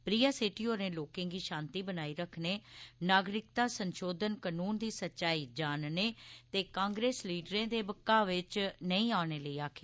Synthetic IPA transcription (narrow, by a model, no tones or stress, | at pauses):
pɾiːaːseːʈiːɦoːɾnẽːloːkẽːɡiːʃãːnt̪iːbənaːiːɾəkʰneːnaːɡɾɪk̚t̪aːsənʃoːd̪ənkənuːnd̪iːsətːʃaːiːd͡ʒaːnneːt̪eːkãːŋɡɾeːsliːɖɾẽːd̪eːbəkːaːʋɪt͡ʃnəĩːaːneːləiːaːkʰeː